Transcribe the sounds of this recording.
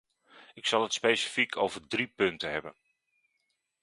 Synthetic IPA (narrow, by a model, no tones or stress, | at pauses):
ɪksɑlˠətspejsi̥fikʰowvərdripɵntəɦɛbən